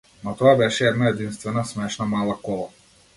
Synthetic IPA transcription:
nɔt̪ɔabɛʃɛɛd̪naɛd̪inst̪vɛnasmɛʃnamalˠakɔlˠa

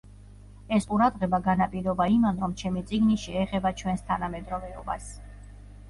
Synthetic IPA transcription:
ɛsqʼuɾad̪ʁɛbaɡanapʼiɾɔbaimanɾɔmt͡ʃʰɛmit̪sʼiɡniʃiɛχɛbat͡ʃʰwɛnst̪ʰanamɛd̪ɾɔvɛɔba̰s

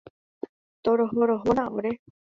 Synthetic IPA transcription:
t̪oɾoɦoɾoɦoɾãʔoɾe

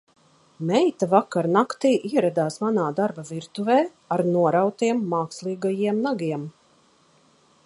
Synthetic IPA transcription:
mɛjt̪avakaɾnakt̪iːʔiɛɾad̪aːsmanaːd̪aɾbaviɾt̪uvɛː | aɾnuɔɾawt̪iɛmːaːkslˠiːɡajiɛmnaɡiɛm

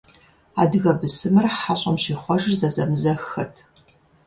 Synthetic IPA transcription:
a̰ːdɨɣɐbɨsɨmɨrħaɕʼɐmɕiːχʷɔʒrzɐzɐmzɐxɨtʰ

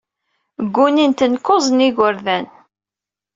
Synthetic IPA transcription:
ɡʷːunint̪ənkːozˤniʝəɾðæn

